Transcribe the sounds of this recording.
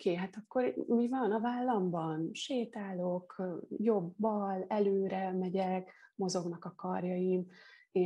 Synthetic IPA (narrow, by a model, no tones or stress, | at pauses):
keːɦat̪ɒkːo̞ɾmivɒnɒvaːlːɒmbɒnʃeːt̪aːlo̞kjo̞bːɒlɛløːɾɛmɛɟɛkmo̞zo̞ɡnɒkɒkɒrjɒjime